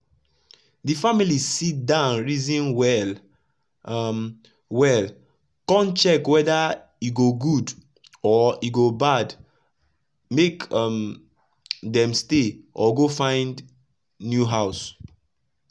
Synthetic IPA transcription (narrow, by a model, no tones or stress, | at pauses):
difamilisit̚dãʊ̃nɹizĩnwɛl | m | wɛl | kɔ̃nt͡ʃɛkwɛda | juɡoɡud | ɔiɡobad | mekm | dɛ̃msteʔɔɡofãɪ̃nd | njuɦaʊs